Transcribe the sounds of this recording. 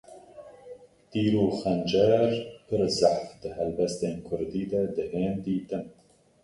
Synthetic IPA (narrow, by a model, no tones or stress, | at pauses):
t̪iːɾoːxɛnd͡ʒɛɾpʰɨɾzaħfd̪ɨhɛlbɛst̪eːnkʰʊɾd̪iːd̪ɛd̪ɨheːnd̪iːt̪ɨn